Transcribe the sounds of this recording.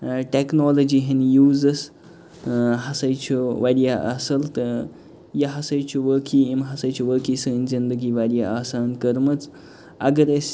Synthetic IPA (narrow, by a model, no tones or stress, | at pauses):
ʈeknoːlod͡ʒiɦenjuːzɐs | ɦɐsɐjt͡ʃʰuʋaɾijaʔɐsɐlt̪ | jɐɦɐsɐjt͡ʃʰuʋəːkʰiimɦɐsɐjt͡ʃʰuʋəːkisənzind̪əɡiʋaɾʲjaʔaːsaːnkɐɾmɐt͡s | ɐɡəɾes